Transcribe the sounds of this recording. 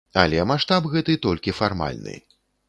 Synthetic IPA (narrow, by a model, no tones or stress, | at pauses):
a̰lʲɛmaʂt̪apɣɛt̪ɨt̪ɔlʲkʲifarma̰lʲnɨ̰